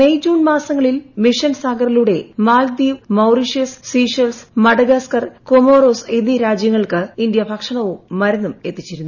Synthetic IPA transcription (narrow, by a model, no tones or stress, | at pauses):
mejd͡ʑuːnmaːsɐŋːɐɭilmiʂɐnsaːɡɐriluɽe̞maːld̪iːʋmɐwriʂessiːʂɐlsmɐɽɐɡaskɐrkomoːroːsenːiɾaːd͡ʑjɐŋːɐɭkɨind̪jɐbʱɐkʂɐɳɐʋumːɐɾɐnːume̞t̪ːit͡ɕːiɾunːu